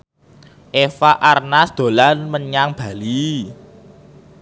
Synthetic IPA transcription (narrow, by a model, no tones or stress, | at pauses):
ʔefaʔarnasd̪̥o̤lanməɲaŋb̥a̤li